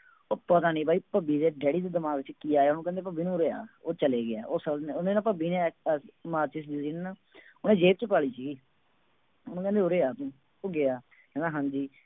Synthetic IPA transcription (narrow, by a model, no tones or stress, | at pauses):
oːpət̪aːnĩːbaːiːpəbiːd̪eːɖɛːɽiːd̪eːd̪əmaːɡʋɪt͡ʃkiːaːeːɦʊnũːkɛ̃nd̪eːp̬əbʱiːnũːɾeːa̰ːoːt͡ʃəleːɡɪaːoːsəlnonẽːnãːpəbiːnẽːmaːt͡ʃɪs̬d͡ʒiːɾiːnːnãː | ʊnẽːd͡ʒeːp̚t͡ʃəpaːɭiːsiːɡiː | onũːkɛ̃nd̪eoɾeːaːt̪ũ | oːɡɪaː | kɛ̃ːnd̪aːɦãːɲd͡ʒiː